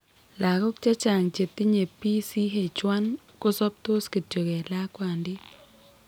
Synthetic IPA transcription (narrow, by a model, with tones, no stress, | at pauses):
la˨kɔ˦k̚t͡ʃa˦t͡ʃa˨ŋt͡ʃe˨t̪i˦ɲe˨pi˦si˦ɦe˨t͡ʃwa˦n | ko˦sɔ˦p̚t̪o˦ski˨tjo˨ke˨la˦kwa˨ndi˦